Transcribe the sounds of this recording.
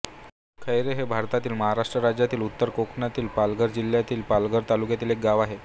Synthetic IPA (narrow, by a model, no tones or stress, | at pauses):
kʰəjɾeɦebʱaɾt̪at̪iːlməɦaɾaʂʈɾəɾad͡ʑjat̪iːlut̪ːəɾkokʰnat̪iːlpalɡəɾd͡ʑil̤jat̪iːlpalɡəɾt̪alukjat̪iːlek̚ɡaʋaɦe